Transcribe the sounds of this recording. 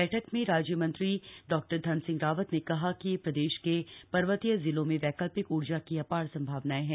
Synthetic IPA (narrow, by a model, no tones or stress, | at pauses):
ɛːʈʰəkmẽɾaːd͡ʒjəmɐ̃nt̪ɾiɖɔːk̚ʈəɾd̪ʱɐnsɪ̃ŋɡɾaːʋət̪nekɐɦakijepɾɐd̪eːʃkepɐɾʋət̪ijəzɪlõmẽʋɛːkəlpɪkuːɾd͡ʒakiɐpaːɽsɐ̃mbʱaːʋnaeɦɛ̃ː